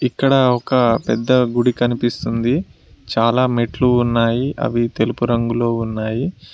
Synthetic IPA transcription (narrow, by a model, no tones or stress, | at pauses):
ikːɐɽɐɔkɐpɛd̪ːɐɡuɽikɐnipist̪und̪i | t͡ʃaːlaːmeʈluːnːaːjiʔɐ̰ʋit̪e̞lupuɾɐŋɡulo̞ːunːaːji